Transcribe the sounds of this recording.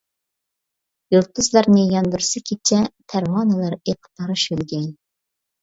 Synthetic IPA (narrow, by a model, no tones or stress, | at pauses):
julˠt̪ʰʊzlˠɑɾnɨjɑnd̪uɾsɨkʲʰet͡ʃʰɛt̪ʰæɾwɑːnɨlˠɑɾeqʰə̥t̪ʰɑɾɨʃølɡʲɛŋ